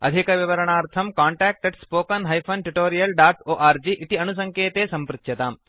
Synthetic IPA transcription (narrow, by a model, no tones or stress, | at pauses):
ɐ̰d̪ʱikɐʋiʋɐɾɐɳaːɾt̪ʰɐmkaːɳʈɛːk̚ʈeɖspoːkɐnɦɐjpʰɐnʈuʈoːɾijɐlɖaːʈoːʔaːɾd͡ʒiːʔit̪iɐnus̬ɐŋkeːt̪eːsɐmpɾɪt̪jɐt̪aːm